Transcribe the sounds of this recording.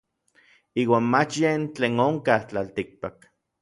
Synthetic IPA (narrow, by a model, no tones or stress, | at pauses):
iːwaːnmat͡ʃjent͡ɬeːnoŋkaht͡ɬalt̪ik̚pak